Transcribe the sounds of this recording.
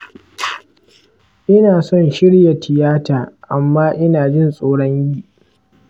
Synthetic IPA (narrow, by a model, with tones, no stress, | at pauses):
ʔɪ˦naː˨sɔ˦˨nʃɪ˦ɽja˨tʰɪ˨jaː˦taː˨ʔa˨mːaː˦ʔɪ˦naː˨d͡ʒɪ˦˨nsʼoː˦ɽɔ˦ɲjiː˦ʔ